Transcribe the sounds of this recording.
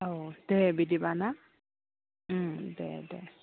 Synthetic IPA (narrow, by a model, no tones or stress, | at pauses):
owd̥ɛbidibana | dɛ̰dɛ